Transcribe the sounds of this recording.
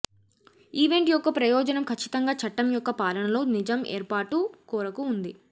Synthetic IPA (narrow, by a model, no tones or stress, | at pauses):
iːʋe̞ɳʈjɔkːɐpɾɐjɔːd͡ʒɐnɐmkʰɐt͡ʃːi̥t̪ɐŋɡaːt͡ʃɐʈːɐmjɔkːɐpaːlɐɳɐlo̞ːnid͡ʒɐmḛːɾpaːʈukuːɾɐkuːnd̪i